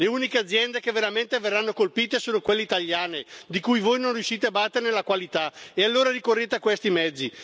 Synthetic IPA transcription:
leuːnikead̪zːjɛnd̪ekevːeɾament̪everːanːokolpiːt̪esoːnokwelːeit̪aʎːjaːned̪ikujvojnonrjuʃːiːt̪eabat̪ːeɾenelakwalit̪aealːoːɾaɾikorːeːt̪eakwest̪imɛd̪zːi

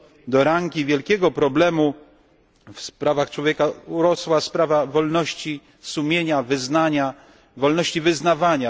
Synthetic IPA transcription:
d̪ɔɾaŋkʲivʲjɛlkʲɛɡɔpɾɔblɛmu | fspɾavaxt͡ʂwɔvʲjeɛkauɾɔswaspɾavavɔlnɔɕt͡ɕi | sumʲjeɲavɘznaɲa | vɔlnɔɕt͡ɕivɘznavaɲa

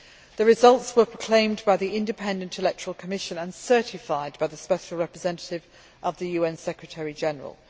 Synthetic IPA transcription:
ðəɹɪzʌlˠtswəpʰɹ̥əkʰl̥ẽɪ̃mbaɪðiɪ̃ndɪpʰɛ̃ndə̃ntʰɪlɛk̚tʰəɹəlˠkʰəmɪʃə̃nə̃nsɜˑtɪfaɪd̚baɪðəspɛʃlˠɹɛpɹɪzɛ̃ntətɪv | ʔəvðəjʉːɛ̃nsɛkɹətʰɛɹid͡ʒɛnəɹə̰lˠ

